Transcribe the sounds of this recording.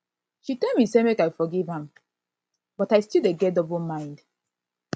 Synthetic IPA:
ʃitɛlmisemekaɪfɔɡivə̃m | b̥ɔtaɪstildeɡɛdɔbɔmãɪ̃nd

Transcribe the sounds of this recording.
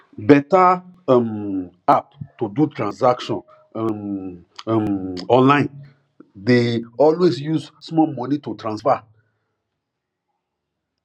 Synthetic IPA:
bɛtam | aptudutɾãnsakʃɔ̃n | m | mɔ̃nlãɪ̃n | deɔlwesjuzsmɔmɔ̃nitutɾãnsfa

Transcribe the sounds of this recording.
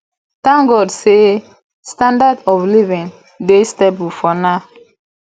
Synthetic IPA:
tãŋɡɔdse | stãndadɔflivĩn | destebufɔna

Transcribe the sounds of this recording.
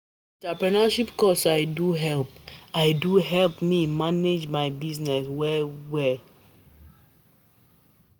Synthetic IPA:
ntapɹɛnaʃipkɔsajduɦɛlpajduɦɛlpmimaned͡ʒmajbiznɛswɛwɛ

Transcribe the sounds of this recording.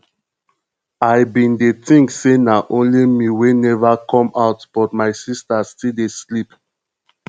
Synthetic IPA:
ajbĩndetĩŋksenaʔõnlimiwenɛvakʰɔ̃maʊtb̥ɔtmaɪsistastideslip

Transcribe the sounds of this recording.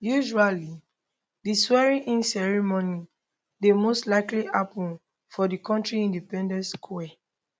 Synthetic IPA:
juʒuali | diswɛɹĩʔĩnsɛɹimoni | demostlaɪkliʔapũn | fɔdikɔ̃ntɹiĩndipɛ̃ndɛ̃ntskʰwɛ

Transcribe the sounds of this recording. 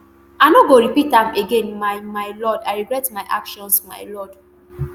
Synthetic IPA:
aɪnoɡoɾipitãmeɡẽnmajmaɪlɔdaɪɹiɡɹɛtmaɪʔa̰kʃɔ̃nsma̰ɪlɔd̥

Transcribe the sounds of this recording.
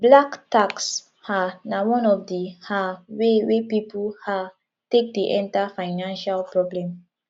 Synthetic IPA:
blaktaks | hanawɔ̃nɔfdihawewepipulha | tek̚deʔɛ̃ntafaɪnãnʃalpɹɔblɛ̃m

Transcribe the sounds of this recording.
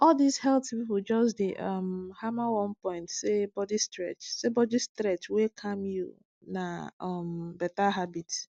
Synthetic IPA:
ɔldizhɛltipipud͡ʒɔsdeʔɔmhamawɔ̃npɔ̃ɪ̃ntsebɔdistɾɛt͡ʃsebɔdistɾɛt͡ʃwekʰamju | naɔmbɛtaɦabit

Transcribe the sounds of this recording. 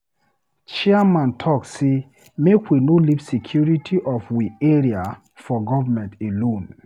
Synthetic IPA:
t͡ʃiamãntʰɔkse | mekwinolivsikʰjuɹitʰiʔɔfwieɹia | fɔɡɔvamɛ̃ntelõn

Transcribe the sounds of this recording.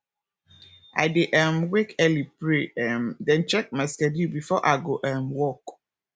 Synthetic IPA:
a̰ɪdeʔɛmwekɛlipɾeɛmdɛ̃nt͡ʃɛk̚maskɛdubifɔʔaɪɡoʔɛmwɔk

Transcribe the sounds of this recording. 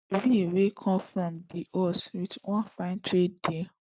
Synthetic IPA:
biewekʰɔ̃mfɹɔ̃mdiʔɔswitwɔ̃fãɪ̃ntɾede

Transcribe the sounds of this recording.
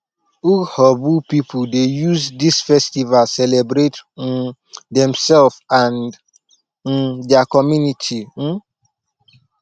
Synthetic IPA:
uhɔbupipʰʊdejuzdisfɛstivalsɛlebɾet̩ | dɛ̃msɛlfãnd | n̩dakɔmjunitʰin̩

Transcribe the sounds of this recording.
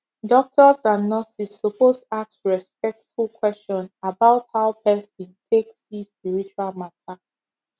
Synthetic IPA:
dɔk̚tʰɔsãnːɔsisːupoztoak̚tɹɛspɛk̚tfulˠkʰwɛst͡ʃɔ̃nabaʊthaʊpʰɛsɔ̃ntʰekshispiɹit͡ʃualmatʰa

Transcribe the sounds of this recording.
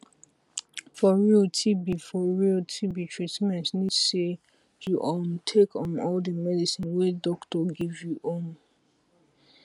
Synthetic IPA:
fɔɹiltʰibifɔɹiltʰibitʰɹ̥itmɛ̃ntnise | juʔɔ̃ntʰekʰɔ̃nɔldəmɛdisĩnwedɔktɔɡivjuʔõn

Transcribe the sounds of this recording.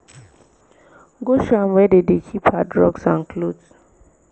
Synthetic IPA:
ɡoʃãmwɛdedekʰiphadɹɔɡsãnkʰlods

